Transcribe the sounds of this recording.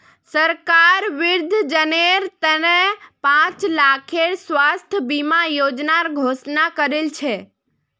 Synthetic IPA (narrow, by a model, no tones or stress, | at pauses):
səɾkaɾʋɪɾd̪ʱd͡ʒəneɾt̪ənepãt͡ʃlakʰeɽsʋast̪ʰbimajod͡ʒnaɾɡʱosnakəɾelt͡ʃʰe